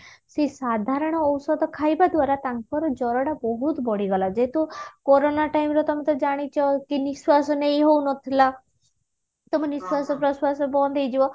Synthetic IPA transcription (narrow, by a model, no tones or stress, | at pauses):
sesad̪ʱaɾɔɽ̃ɔːwsɔd̪ɔkʰajbad̪waɾat̪aŋkɔɾɔd͡ʒɔɾɔɽabɔɦut̪bɔɽ̤iɡɔlad͡ʒeɦet̪ukɔɾonaʈaimɾɔt̪ɔmet̪ɔd͡ʒaɽ̃it͡ʃʰɔkiniswasɔnejɦownɔt̪ʰila | t̪ɔmeniswasɔpɾɔswasɔbɔnd̪ejd͡ʒibɔ